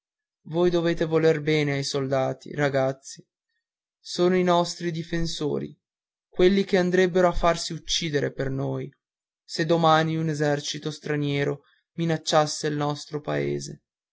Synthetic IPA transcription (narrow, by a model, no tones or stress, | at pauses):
vojd̪oveːt̪evolerbɛːneajsold̪aːt̪ʰḭraɡat̪sːi | soːnoinɔst̪ɾid̪ifenso̰ːɾḭ | kwelːik̟eand̪ɾɛbːeɾoafːarsiut͡ʃːiːd̪eɾepernoːj | sed̪ːomaːniunezɛrt͡ʃit̪ost̪ɾanjɛːɾo | minat͡ʃːasːelnɔst̪ɾopaḛːzḛ